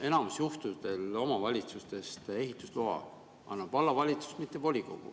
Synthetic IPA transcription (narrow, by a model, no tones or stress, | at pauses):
e̞nɑmusjuht̪ud̪e̞lo̞mɑvɑlʲit̪sust̪e̞st̪e̞ɦit̪ːˑu̥sluɦɑ̰ | ɑ̰nːɑb̥ɑlːɑvɑlʲit̪su̥st̪mit̪ːˑevo̞lʲiko̞ɡ̥ṵ